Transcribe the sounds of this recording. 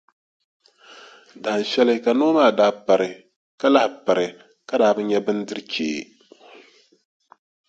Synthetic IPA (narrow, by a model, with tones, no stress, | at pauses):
da˨n̩˨ʃɛ˦lɨ˦ka˨noː˦maː˦˨daː˦pa˨ɾɨ˨ | ka˦la˦hɪ˨pa˨ɾɨ˨ | ka˦daː˦˨bɨ˦ɲɛ˦bɨ˦n˦dɨ˦ɾkḛː˨